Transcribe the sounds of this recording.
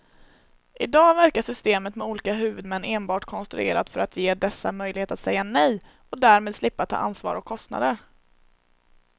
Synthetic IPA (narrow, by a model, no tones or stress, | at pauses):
ʔɪd̪ɑːvæɾkaʂʏst̪eːmət̪mɛuːlɪːkaɦʉ̟ːvɵd̪mɛnːeːnbɑːʈkʰɔnst̪ɾɵ̰ḛːɾa̰d̪fœɾat̪ʰjeːd̪ɛsːa̰mœjlɪheːt̪at̪sɛjːanɛj | ɔd̪æːɾmeːd̪slɪpːat̪ʰːɑ̰ːʔa̰nsvɑ̰ːɾɔkʰːɔst̪na̰d̪əɾ